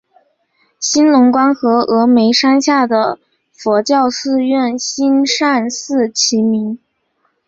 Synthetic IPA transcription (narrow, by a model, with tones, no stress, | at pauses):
ɕi˥nlʊ˧˥ŋkwa˥nxɤ˧˥ɤ˧˥me˧˥ɪʂa˥nɕja˥˩d̪ə˩ | fwɔ˧˥t͡ɕjɑ˥˧ʊsɹ̩˥˧ɥɛ˥˩nɕi˥nʂa˥˧nsɹ̩˥˩t͡ɕʰi˧˥mi˧˥ŋ